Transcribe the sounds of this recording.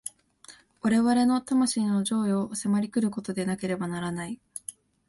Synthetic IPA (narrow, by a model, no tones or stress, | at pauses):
βaɾe̞βaɾe̞no̞t̪amaɕiːno̞ʑo̞ːjo̞ːse̞maɾʲikɯ̟ɾɯ̟ko̞t̪o̞d̪e̞nake̞ɾe̞banaɾanai